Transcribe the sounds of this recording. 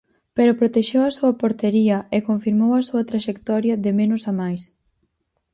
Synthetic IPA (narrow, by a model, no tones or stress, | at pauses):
peɾʊpɾot̪eʃewɐsuɐpoɾt̪eɾiɐekoɱfiɾmowɐsuɐt̪ɾaʃekt̪ɔɾjɐðɪmenʊsamajs